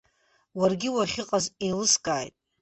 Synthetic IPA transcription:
warɡʲɪwaχʲɪqʼazelɨskʼaːjtʼ

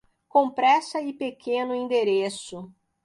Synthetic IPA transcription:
kõpɾɛsɐɪpekʰẽnʊĩnd̪eɾesʊ

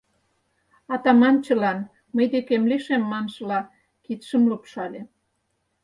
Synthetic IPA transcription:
ɑt̪ɑmɑnt͡ɕə̆lɑn | məjd̪ekemleʃemːɑnʒə̆lɑ | kit̪ʃəmlupʃɑlʲe

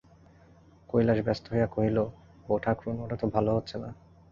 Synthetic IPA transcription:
kojlaʃbɛst̪oɦejakoɦilo | boʈʰakɾunoʈat̪obʱaloɦotːɕʰena

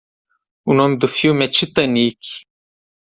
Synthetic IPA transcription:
unomd̪ɨfjumɛt͡ʃʰit̪ɐnik

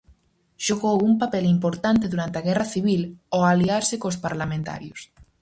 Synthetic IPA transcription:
ʃoɣowumpapɛlimpoɾt̪ant̪eðuɾant̪eaɣɛraθiβ̞iloaliaɾsekospaɾlamẽnt̪a̰ɾjos

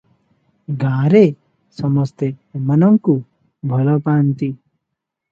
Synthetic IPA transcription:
ɡãːɾe | sʌmʌst̪emʌnʌŋku | bʱʌlɔpaːnt̪i

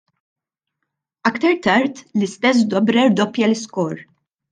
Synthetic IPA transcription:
ɐkt̪ɐɾt̪ɐɾt̪lɪst̪ɛs̬d̪ɔbɾɛɾd̪ɔpjɐlɪskɔɾ

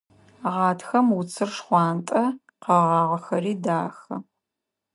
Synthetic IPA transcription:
ʁɑːtʰxɐmwʊt͡sʰɨrʂχʷɑːntʼɐ | qɐʁɑːʁɐxɐriːdaːxɐ

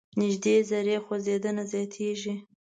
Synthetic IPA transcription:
nɪʒd̪ezaɾexozed̪ənazjɑt̪ʰeʒi

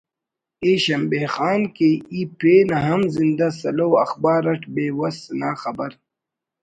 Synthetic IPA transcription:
eːɕɐmbeːxaːnkeipeːnɐɦɐmzind̪asɐloːwɐxbaːɾɐʈbeːwɐsnaːxɐbɐɾ

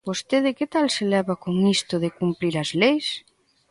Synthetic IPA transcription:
bost̪eðɪket̪alselɛβɐkoŋist̪ʊðɪkumpɾiɾɐzlejs

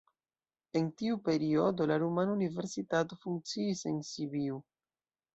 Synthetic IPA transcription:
e̞ntiupe̞ɾio̞do̞laɾumanunive̞ɾsitato̞fuŋk̚t͡siːse̞nsibiu

